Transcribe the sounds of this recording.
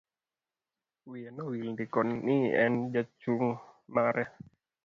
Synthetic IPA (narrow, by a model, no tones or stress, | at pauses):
wianɔwilndikɔnːiɛ̰nd͡ʒat͡ʃuŋmaɾʔɛ